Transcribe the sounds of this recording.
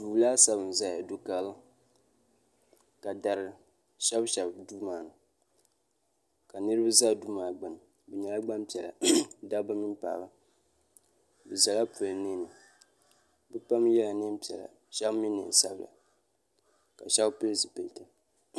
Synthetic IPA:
duː˨laː˦sa˦bɨ˨n˨za˦˨a˨du˦ka˦lɨ˦ | ka˨da˨ɾɨ˨ | ʃɛ˦bʃɛ˨bdu˦maː˨˦˨nɨ˨ | ka˨nɨ˦ɾɨ˦ba˦za˦du˦maː˨ɡ͡ba˨m˨ | bɛ˨ɲɛ˨la˦ɡ͡ba˦mpi˨ɛ˨la̰˨da˦ba˦mi˦mpa̰ː˨ba˦ | bɛ˨za˨la˦pu˨ɨ˨nɪ˦nɨ˨ | bɛ˦pa˦mjɛ˦la˨nɨ˦m˦pi˨ɛ̰˨la̰˨ | ʃɛ˦bmi˦nːɨ̰˨n˨sa˦bla̰˨ | ka˨ʃɛ˦bpɨ˦zɨ˨pe˨ta˦

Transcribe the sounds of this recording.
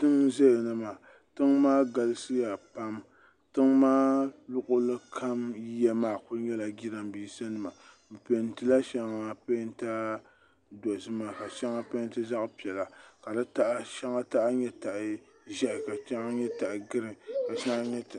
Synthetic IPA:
tɨ˦ŋzɛ˦jnɨ˦ma˨ | tɨ˦ŋmaː˦ɡa˨lɨ˦sɨ˦ja˨pa˦m | tɨ˦ŋmaː˦lʊ˦ʔʊ˦lɨ˦kʰa˦m˦jɛ˦maː˨kʊ˦ɲɛ˦la˨ɡʲi˦ɾa˨m˦bi˦sa˦nɨ˨ma˨ | bɨ˨pe˨n˦tɨ˦la˦ʃa˦ŋ˨a˨pe˦n˦ta˦ | dɔ˨zɨ˦maː˨ka˨ʃa˦ŋa˦pe˦n˦tɨ˦za˦ʔpi˨ɛ˨la˨ka˨da˦ta˦ʔʃa˦ŋa˦ta˦ʔɲɛ˦ta˨ʔɪ˨ | ʒɛ˦ʔɪ˨ka˨t͡ʃa˦ŋa˦ɲɛ˦ta˨ʔɪ˨ɡɨ˦ɾɨ˨ka˨ʃa˦ŋa˦ɲɛ˦tɨ˨

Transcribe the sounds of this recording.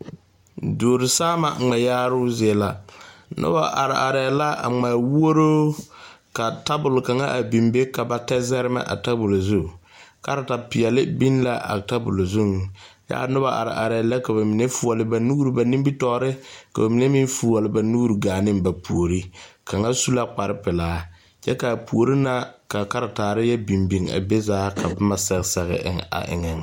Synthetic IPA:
doː˨ɾɪ˨saː˦ma̰˨ŋ͡mɛ˨jaː˦ɾʊ˦zla˨nʔʊ̰˦ba̰˨ʔa˨ɾɪ˨a˨ɾɛ˨la˦a̰˨ŋ͡ma˨wu˦o˦ɾoː˦ | ka˨ta˦bʊ˨lka˨ŋa˦ʔa˨bi˨mbe˦ka˨ba˦tɛ˦zɛ˦ɾɪ˦ma̰˦ʔa̰˨ta˦bʊ˨lo˨zu˦˨ka˦ɾa˨ta˨pɪ˨ɛ˨lɪ˦bi˦n˦la˦ʔa̰˨ta˦bʊ̰˨lo˨zu˦ŋ | ja̰˦˨˦nʊ˦ba˦ʔa̰˨ɾɪ̰˨ʔa˨ɾɛ˨˦lɛ˦ka˨ba˨mi˨nɛ˦fu˨ɔ˨lɪ˨ba˨nu˦ɾɨ˦ba˨ni˦m˦bi˦tɔ˦˨˦ɾɪ˦ka˨ba˨mi˨nɛ˦mi˦n˦fu˨ɔ˨lɪ˨˦ba˨nu˦ɾi˨ɡaː˨nɪ˦mba˨pu˨o˨ɾi˦ka˨ŋa˦su˦la˦k͡pa˨ɾɪ˦pɪ˨laː˦ | t͡ʃɛ˦ka˨pu˨o˨ɾi˦na˦ka˨ka˦ɾa˨taː˨ɾɪ˦jɛ˦bi˨mbi˨ŋa̰˨be˦zaː˦ka˨bɪ˦ma˦sɛ˦ɣsɛ˨ɣɪ̰˨ʔɪ̰˦˨ŋa̰˨ʔɪ̰˨ŋɛ˨ŋ

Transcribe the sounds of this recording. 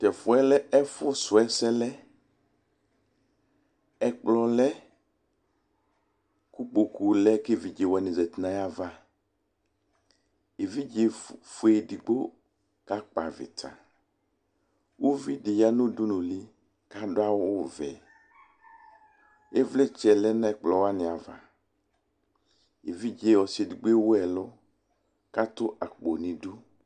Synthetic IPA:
tɛ˨fʊ˨ɛ˦lɛ˦ɛ˦fʊ˦sʊ˨ɛ˦sɛ˦lɛ˦ | ɛ˦k͡plɔ˦lɛ˦ | ku˦k͡po˨ku˨lɛ˦ke˦˨vi˨d͡ʒe˨wɛ˨nɪ̃˨zɛ˨t̪nã˨ja˦va˦ | e˨vi˦d͡ʒe˨fu˨e˨di˨ɡ͡bo˦ | ka˦k͡pa̰˨vɪ̰˨tʰa̰˨ | wʔu˦vi˦dɪ˨ja˦nʊ̃˦du˦nũ˨li˦ | ka˦dʊ˦a˦wʊ˦˨vɛ˨ | e˦vlɛ˦t͡ʃɛ˨lɛ˦nã˦ɛ˨k͡plɔ˨wa˦nɪ̃˨a˨va̰˨ | e˨vi˦d͡ʒe˨˦˨wɔ˨se˨di˨ɡ͡be˦wʊ˦ɛ˨lʊ˦ | ka˦t̪ʊ˦ʔa˨k͡po˨nĩ˨du˦

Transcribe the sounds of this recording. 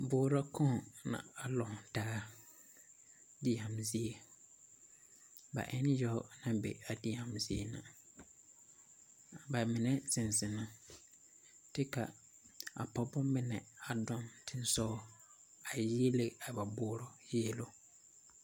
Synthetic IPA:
bʊː˦ɾɔ˦kɔ̃˦˨nã̰˨a˨lɔ˨taː˦ | dɪ˦ja˨mzi˦e˨ | ba̰˨ʔɛ˦n˦jɔ˦nã˦bɛ̰˨a˨di˦ja˨mzi˦ḛ˦˨na̰˨ | ba˨mɪ˨nɛ˦sɪ˨n˨sɪ˨na˨ | tɪ˦ka̰˨ | a̰˨pɔ˨bɔ˦mɪ˦nɛ˨a˨dɔ˦mtʰɪ˦n˦sɔ˦ | a˨ji˦e˦le˦a˨ba˨bʊː˦ɾɔ˦ji˦e˦lo˦

